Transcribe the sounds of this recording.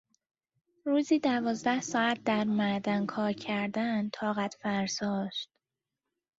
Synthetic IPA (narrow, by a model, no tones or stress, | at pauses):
ɾuːziːd̪ævɒːzd̪æhsɒːæt̪̚ʰd̪æɾmæd̪ænkʰɒːɾcʰæɾd̪ænt̪ʰɒːɣæt̪fæɾzɒːʃt̪